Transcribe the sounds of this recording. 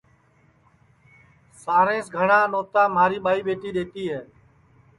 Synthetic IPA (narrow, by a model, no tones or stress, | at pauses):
saːɾẽːsɡʱəɳãːnoːt̪aːmaːɾiːɓaːiːɓeːʈiːɗeːt̪iːɦɛː